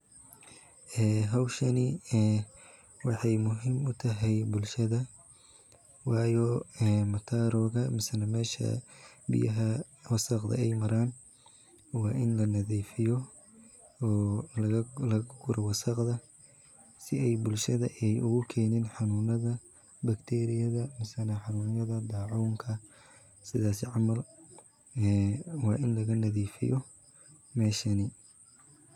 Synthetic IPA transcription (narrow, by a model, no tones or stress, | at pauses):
ʔɛːɦɑwʃɐnɪ | wɑħɑjmʊɦɪmʊt̪ʰɐɦɛjbʊlʃɐðɐ | wɑːjɔɛmɐt̪ʰaːɾɔːɣɐmɪsɐnɐmɛːʃɐ̰bɪ̰jɐɦɐ | wɑsɐqd̪ɐ̰ɛjmɐɾaːn | wɑːʔɪnlɐnɐðiːfɪjɔ | ɔː | lɐɡɡʊɾɔwɑsɐqðɐ | sɪɛjbʊlʃɐðɐʔɛjʊɣʊkʰɛːnɪnħɑnuːnɐðɐ | bɐkt̪ʰɛːɾɪjɐðɐmɪsɐnɐħɑnuːnjɐðɐd̪ɑːʕuːŋkʰɐ | sɪðaːsɪʕɑmɐlː | wɑːʔɪnlɐɣɐnɐðiːfɪ̰jɔ | mɛːʃɐnɪ